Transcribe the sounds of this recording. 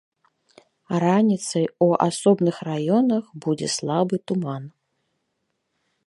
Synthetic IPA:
ɾanʲit̪sɐjua̰sɔbnɨxrajɔnɐxbud͡zʲɛ̰slˠabɨt̪uman

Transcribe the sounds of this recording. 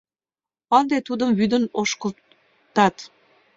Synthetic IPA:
ɑnd̪et̪ud̪əmβyd̪ənoʃkə̆l | t̪ɑt̪

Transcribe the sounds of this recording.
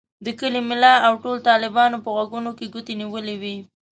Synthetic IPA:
d̪əkəlimɪlɑawʈolt̪ɑlɪbɑnopəɣwaɡunokeɡut̪eniwəliwi

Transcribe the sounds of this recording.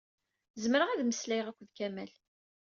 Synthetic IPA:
zməɾəʁæðməslæjʁækʷːəðkæmæl

